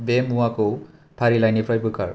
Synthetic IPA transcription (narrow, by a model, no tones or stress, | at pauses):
bemuwakopʰaɾilajnipʰɾajbɯkʰa̰ɾ